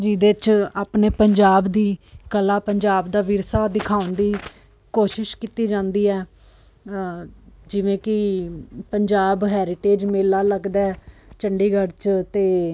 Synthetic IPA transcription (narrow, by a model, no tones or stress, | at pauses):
d͡ʒiːd̪et͡ʃaːpneːpəɲd͡ʒaːbd̪iːkəlaːpəɲd͡ʒaːbd̪aːʋiɾsaːd̪ɪkʰaːʊnd̪iː | koːʃɪʃkit̪iːd͡ʒãːnd̪iːɛː | d͡ʒɪʋẽːkɪpəɲd͡ʒaːbɦɛːɾɪʈeːd͡ʒmeːlaːləɡd̪ɛːt͡ʃəɳɖiːɡəɽt͡ʃt̪eː